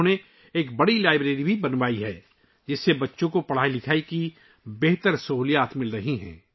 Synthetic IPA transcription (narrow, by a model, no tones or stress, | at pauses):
ne | eːk̚bɐɽilaːɪbɾeːɾibʱibɐnʋaːiɦɛː | d͡ʒɪsːebɐtːʃõkopɐɽ̤aːilɪkʰaːiki | beɦt̪əɾsɐɦuːlijaːt̪mɪlɾɐɦiɦɛ̰̃ː